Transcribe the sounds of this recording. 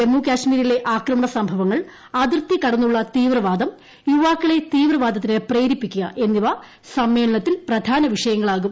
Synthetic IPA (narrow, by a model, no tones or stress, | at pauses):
emːuːkʲaːʂmiːɾile̞ʔaːkrɐmɐɳɐsɐmbʱɐʋɐŋːɐɭ | ɐd̪irt̪ːikɐɽɐnːuɭːɐt̪iːʋrɐʋaːd̪ɐm | juʋaːkːiɭe̞t̪iːʋrɐʋaːd̪ʱɐt̪ːinepreːɾipːikʲːuɣɐ̰ʔe̞nːiʋɐ | sɐmːe̞ːɭɐɳɐt̪ːilprɐd̪ʱaːnɐʋiʂɐjɐŋːɐɭaːɣum